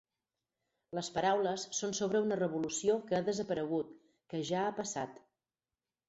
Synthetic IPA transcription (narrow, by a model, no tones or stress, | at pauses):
ləspəɾawləsːonsoβ̞ɾəunərəβ̞ulusiokəðəzəpəɾəɣ̞ut̪ | kəʒaːpəsa̰t̪